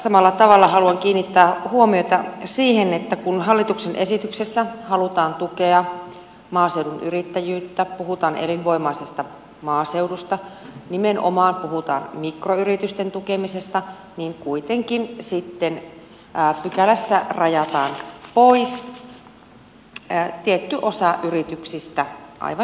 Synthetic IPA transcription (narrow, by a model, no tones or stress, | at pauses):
sɑmɑlːɑt̪ɑʋɑlːɑɦɑluɑŋkiːnːit̪ːæːhuomiojt̪ɑsiːhenet̪ːækunɦɑlːit̪uksenʔe̞sit̪yksesːæhɑlut̪ɑːnt̪ukeɑ | mɑːse̞wdunʔyɾit̪ːæjyːt̪ːæpuɦut̪ɑːnʔelinʋo̞imɑisest̪ɑ | mɑːsewdust̪ɑnimenʔo̰mɑːnpuhut̪ɑ̰ːnmikroyrit̪yst̪ent̪ukemisest̪ɑ | niŋkuit̪eŋkinsit̪ːenː | pykælæsːærɑjɑt̪ɑːnpois | t̪iet̪ːyʔosɑʔyrit̪yksist̪æʔɑ̰ijʋɑ